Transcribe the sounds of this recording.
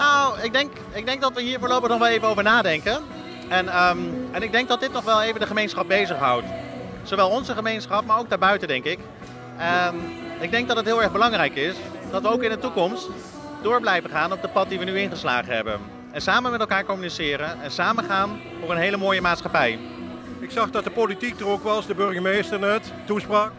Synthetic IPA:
nawɪɡ̚dɛŋk | ɪɡ̚dɛŋk̚dɑtʋəɦiːɹvəɹlowpəχnɔχʋɛlˠejvənowvəɹnaːdɛŋkən | ɛnɛnɪɡ̚dɛŋɡ̚dɑt̚dɪtnɔχʋɛlˠejvəndəχəmejnsχɑp̚bejzəχɦʌ̰wt | soʋɛlˠɔnzəχəmejnsχɑp̚maːɹowkɡdaːɹbœɥtədɛŋkɪk | ɪɡ̚dɛŋɡ̚dɑtətɦɪːlˠɛɹχbəlɑŋrɛjkɪsd̥ɑtʋəowkɪndətukɔmst | dʊːɹblɛjvənχaːnɔb̚dəpɑt̚diʋənyɪnχəsla̰ːχəɦɛ̰bə̰n | ɛnsaːmənmɛtɛlˠkaːɹkɔmynisɪːɾənɛnsaːmənχaːn | fʊːɹənɦejləmoːjəmaːtsχɑpɛj | ɪksɑχdɑtdəpolitik̚dərokʋɑsdəbɵɹχəmejstərnɛt | tuspraːk

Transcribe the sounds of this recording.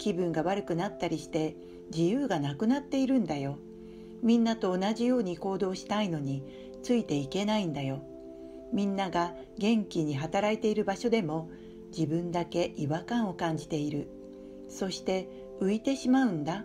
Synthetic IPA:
kʲibɯ̟̃ŋɡaβaɾɯ̟kɯ̟nat̪ːaɾʲiɕi̥t̪e̞ | d͡ʑijɯːɡanakɯ̟nat̪ːe̞iɾɯ̟̃nd̪ajo̞ | mʲĩnːat̪o̞ːnaʑijo̞ːɲ̟iko̞ːd̪o̞ːɕi̥t̪aino̞ɲ̟i | t͡sɨit̪e̞ike̞naĩnd̪ajo̞ | mʲĩnːaɡa | ɡẽ̞ŋkʲiɲ̟iɦat̪aɾait̪e̞iɾɯ̟baɕo̞d̪e̞mo̞ | d͡ʑibɯ̟̃nd̪ake̞ʔiβakãɰ̃o̞kãɲ̟d͡ʑi̥t̪e̞iɾɯ̟ | so̞ɕi̥t̪e̞ | ɯ̟it̪e̞ɕimaɯ̟̃nd̪a

